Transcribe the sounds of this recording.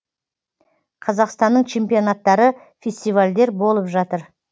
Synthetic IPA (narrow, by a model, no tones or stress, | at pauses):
qʰɑzɑqst̪ɑnːəɴt͡ʃʰe̞mpijo̞nat̪ːɑɾə | fʲe̞sʲt̪ijvalʲd̪e̞ɾbo̞lˠəpʒɑt̪əɾ